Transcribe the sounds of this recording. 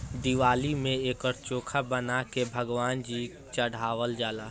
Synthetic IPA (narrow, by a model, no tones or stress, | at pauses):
d̪iʋaːlimẽeːkɔɾt͡ʃoːkʰabənakebʱəɡʋaːnd͡ʒiː | t͡ʃəɽ̤ʱaːʋəld͡ʒaːlaː